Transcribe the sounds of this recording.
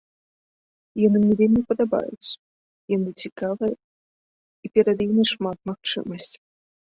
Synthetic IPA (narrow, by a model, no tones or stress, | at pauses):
jɔnɨmnʲɛvʲelʲmʲipɐd̪aba̰jṵt̪sɐ̥ | jɔnɨt͡sʲikavɨjɛ | ipʲɛɾɐd̪jimʲiʂmat̪̚maxt͡ʂɨ̰mɐsʲt͡sʲ